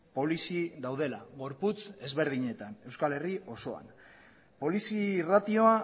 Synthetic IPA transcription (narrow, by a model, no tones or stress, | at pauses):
po̞lisiðawðe̞laɣo̞ɾput͡se̞zβe̞ɾðiɲe̞t̪ane̞wskale̞rio̞so̞a̰n | po̞lisirat̪io̞a